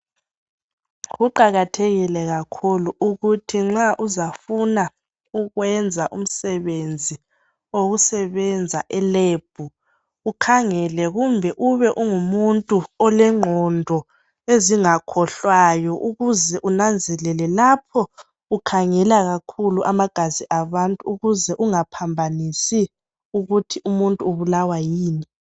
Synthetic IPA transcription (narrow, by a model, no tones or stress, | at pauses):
ɣuǃaɣatʰeɣilɛɣakʰuluuɣutʰiŋ͡ǁaʔuzafuna | uɣwɛnd͡zʱaʔum̩sɛβend͡zʱi | oɣusɛβɛnd͡zʱaʔɛleːb̥̚ʱu | ukʰaŋɛlɛɣumbʱɛʔuβɛʔuŋumuntʼuɔlɛŋ͡ǃʱɔndʱɔ | eziŋakʰɔɬwajɔʔuɣuzɛʔunand͡zʱɛlɛlɛlapʰɔ | ukʰaŋɛlaɣakʰuluʔamaɡ̥ʱaziʔaβantʼuːɣuzɛʔuŋapʰambʱanisi | uɣutʰiʔumuntʼuuβulawajiːni